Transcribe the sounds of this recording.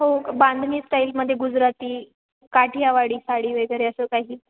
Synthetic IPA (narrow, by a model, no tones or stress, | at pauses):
ɦoband̪ʱniːsʈailməd̪ʱːjeɡud͡zɾat̪iː | kaʈʰijaʋaɽiːsaɽiːʋeɡəɾeəsəːkaɦiː